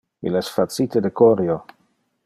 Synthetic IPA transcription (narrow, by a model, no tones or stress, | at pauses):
ḭlesfasit̪ed̪ekoɾjo